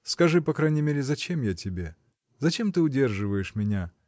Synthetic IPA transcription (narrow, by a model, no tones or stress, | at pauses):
skɐʐɨpɐkɾajnʲɪmʲeɾʲɪzɐt͡ɕemjatʲɪbʲe̞ | zɐt͡ɕe̞mt̪ɨʊdʲe̞rʐɨvəjɪʂmʲɪnʲa